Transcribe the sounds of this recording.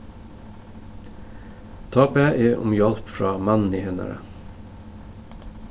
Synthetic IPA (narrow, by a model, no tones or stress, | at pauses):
t̪ʰɑːpeʔeːʔʊ̰mjɑlpfɹɑːmænn̩iːhɛnə̰ɾə̰